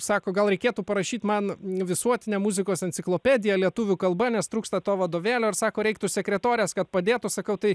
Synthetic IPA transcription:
sɑːkoːɡɐlˠɾʲɛɪkʲeːt̪uːpɐɾɐʃʲiːt̪ʲmɐnʋʲɪsuɔt̪ʲɪnʲɛmuzʲɪkoːsɛnʲt͡ssʲɪklˠoːpʲæd̪ʲɪjɛlʲiɛt̪ʊʋʲukɐlˠbɐnʲɛst̪ɾuːkst̪ɐt̪oːʋɐd̪oːʋʲeːlʲoːɪɾsɑːkoːɾʲɛɪkt̪ʊsʲɛkɾʲɛt̪oːɾʲɪɛːskɐt̪pɐd̪ʲeːt̪ʊsɐkɐʊt̪ɐɪ

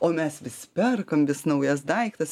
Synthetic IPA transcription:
oːmʲɛsʋʲɪspʲɛrkɐmʋʲɪsnɐʊjɛs̬d̪ɐɪkt̪ɐs

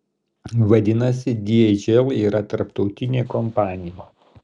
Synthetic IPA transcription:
ʋɐd̪ʲɪnɐsʲɪd̪ʲiɛd͡ʒʲɛlˠiːɾɐt̪ɐɾpt̪ɒʊt̪ʲɪnʲeːkɔmpɑːnʲɪjoː

